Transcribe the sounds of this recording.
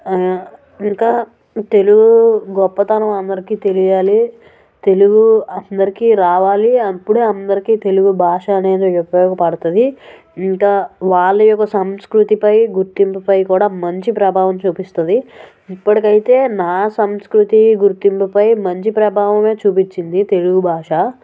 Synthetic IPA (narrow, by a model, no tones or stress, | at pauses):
iŋkaː | t̪e̞luɡuɡɔpːɐt̪ɐnɐmɐnd̪ɐɾikiːt̪e̞lijaːli | t̪e̞luɡuɐnd̪ɐɾikiːɾaːʋaːliɐpːuɽeːɐnd̪ɐɾikiːt̪e̞luɡubʱaːʂɐːne̞ːd̪oɔkːɐjɔːɡɐpɐɽut̪ɐd̪i | iŋkaːʋaːɭːɐjɔkːɐsɐmskɾut̪ipɐjɡuɾt̪impɐpɐjkuːɽaːmɐɲt͡ʃipɾɐbʱaːʋɐmt͡ʃuːpist̪ɐd̪i | ipːɐʈikɐjit̪e̞ːnaːsɐmskɾut̪iɡuɾt̪impupɐjmɐɲt͡ʃipɾɐbʱaːʋɐme̞ːt͡ʃuːpit͡ʃːind̪it̪e̞luɡubʱaːʂa